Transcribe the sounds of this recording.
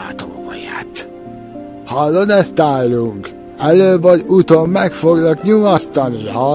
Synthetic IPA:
aːt̪o̰ːmo̰ja̰ːt̪ | hɒlːo̞d̪ɛst̪aːlːuŋk | ɛløːvɒɟut̪omːɛkfo̞ɡnɒkɲumɒst̪ɒniɒ

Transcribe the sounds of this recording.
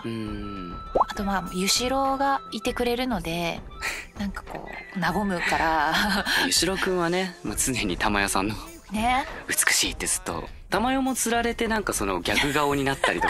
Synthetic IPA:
ɯɯ̟̃ | at̪o̞mamjɯ̟ɕiɾo̞ɡait̪e̞kɯ̟ɾe̞ɾɯ̟no̞d̪e̞ | nãŋkḁko̞̰ːnaɡo̞mɯ̟kaɾa | jɯɕiɾo̞kɯ̟̃ɰ̃βane̞mat͡sɨne̞ɲ̟it̪amajosãnːo̞ | ne̞ɯ̟t͡sɨ̥kɯ̟̥ɕiːt̪ːe̞t͡sɨ̥t̪ːo̞̰ | t̪amajomo̞t͡sɨɾaɾe̞t̪e̞nãŋkaso̞no̞ɡʲakɯ̟ɡaoɲ̟inat̪ːaɾʲit̪o̞

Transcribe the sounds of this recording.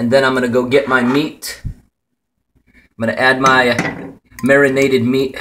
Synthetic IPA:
ɨ̃nðɨ̃ñãɪ̃mɡʌnɨɡoʊɡɛʔ̚maɪmit̚ | ɪ̃mɡʌnɨʔæd̚maɪ | mɛɹɨneɪɾɨd̚mit̚

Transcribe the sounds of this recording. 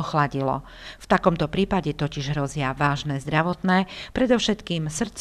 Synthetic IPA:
ɔxlaɟilɔ̰ | ft̪akɔmt̪ɔpɾiːpaɟɛt̪ɔciʒɦɾɔzɪaʋaːʒnɛːzd̪ɾaʋɔt̪nɛːpɾɛd̪ɔʊʃɛt̪kiːmsr̩t̪t͡s

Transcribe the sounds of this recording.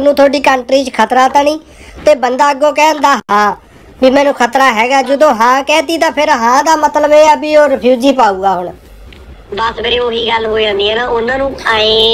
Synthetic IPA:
nũːt̪ʰoːɖiːkəɳʈɾiːt͡ʃkʰət̪ɾaːt̪aniː | t̪eːbənd̪aːəɡõːk̬ɛːənd̪aːɦãː | biːmɛ̃ːnũːkʰət̪ɾaːɦɛːɡaːd͡ʒɪd̪õːɦãːkɛ̃ːt̪iːt̪ãːpʰɪɾɦãːd̪aːmət̪ləbeːəbiːoːɾɪpʰjuːd͡ʒiːpaːuːɡaːɦʊɳ | bəsbeːɾiːoːɦiːɡəlɦoːid͡ʒãːnd̪iːɛːnãːʊnãːnũːaːẽː

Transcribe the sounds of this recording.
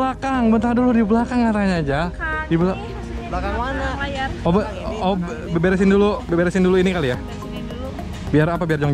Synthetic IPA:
lakaŋbənt̪aŋduludiblakaŋkat̪aɲaːd͡ʒadibla | lakaŋanaɔb | ɔb | bbeɾɛs̬ɪndulubbeɾɛsɪnduluinikalija | biarapabiard͡ʒɔŋ

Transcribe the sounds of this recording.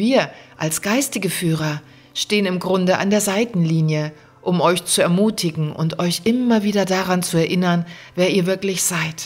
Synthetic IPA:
viːɐʔalsɡ̥aɪstɪɡəfyːʁ̞ɐ | ʃteːənɪmɡʁʊndəʔa̰ndeːɐzaɪtn̩liːnjə | ʔʊmʔɔʏçt͡suɛɐmuːtʰɪɡŋ̩ʔʊ̰ntʔɔʏçʔɪmɐviːdɐdaʁant͡suɛɐʔɪnɐn | veːɐiːɐvɪɐklɪçz̥aɪt

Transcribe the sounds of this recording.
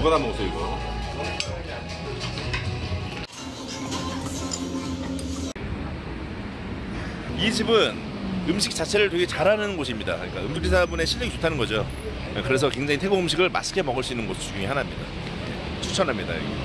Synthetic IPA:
bʌnanmosʰoiɡʌo | id͡ʑibɯn | ɯmɕʰik̚t͡ɕ͈at͡ɕʰe̞ɾɯɭtweɡe̞t͡ɕaɾanɯnnɡoɕ̬ʰimɲidakɯɲik͈aɯmd͡ʑikt͈ʰesʰabune̞ɕʰiʎːiɡit͡ɕu̥tʰanɯnɡʌd͡ʑo | kɯɾe̞s̬ʰʌkwe̞ŋd͡ʑaŋitʰeɡoɯmɕ̬ʰiɡɯɭma̰s͈ʰkʰemʌɡɯɭs͈uinːɯnɡʌsʰɯt͡ɕuŋeɦanamɲida̰ | ḛ | t͡ɕʰut͡ɕʰʌnɦamɲida̰j̰ɡ

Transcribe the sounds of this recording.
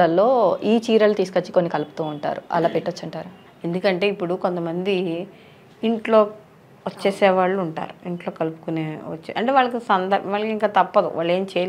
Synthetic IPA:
ɐlːo̞ːiːt͡ʃiːɾɐlut̪iːsu̥kɐt͡ʃːu̥koːnikɐlupu̥t̪uːɳʈa̰ːɾuɐ̰laːpiʈːɐt͡ʃːɐɳʈaːɾu | e̞nd̪ukɐɳʈe̞ːipːuɽuko̞nt̪ɐmɐnd̪iː | ɳʈlo̞ː | ʋɐt͡ʃːeːsɛːʋaːɭːuːɳʈa̰ːɾuiɳʈlo̞ːkɐlupu̥kuneːʋɐ̰t͡ʃːeɐɳʈeʋaːɭːɐkisɐnd̪ɐɾbɐʋaːɭɐkiŋkaːt̪ɐpːɐd̪ṵʋʔaːɭːe̞ːmt͡ʃeː

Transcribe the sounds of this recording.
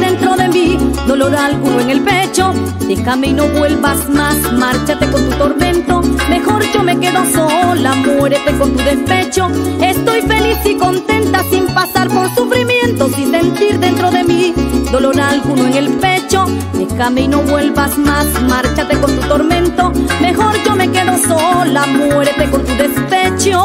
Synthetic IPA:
de̞nt̪ɾo̞ðe̞mid̪o̞lo̞ɾalɣunoeŋe̞lpe̞t͡ʃo̞ | d̪e̞xame̞ino̞βwe̞lβasmasmaɾt͡ʃat̪e̞ko̞nt̪ut̪o̞ɾmẽ̞nt̪o̞me̞xo̞ɾd͡ʒo̞me̞ke̞ðosolamwe̞ɾet̪e̞ko̞nt̪uðe̞spe̞t͡ʃo̞est̪o̞jfe̞lisiko̞nt̪e̞nt̪asimpasaɾpoɾsufɾimje̞nt̪osĩnse̞nt̪iɾðe̞nt̪ɾo̞ðe̞mid̪o̞lo̞ɾalɣunoeŋelpe̞t͡ʃo | ekamejnoβwe̞lβasmasmaɾt͡ʃat̪eko̞nt̪ut̪o̞ɾmẽ̞nt̪ome̞xo̞ɾd͡ʒo̞me̞ke̞ðosolamweɾet̪e̞ko̞nt̪uðespet͡ʃo

